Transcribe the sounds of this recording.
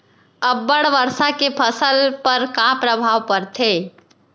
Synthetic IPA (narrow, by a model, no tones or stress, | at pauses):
əbːəɽʋəɾsakepʰəsəlpəɾkãpɾəbʱaʋpəɾt̪ʰe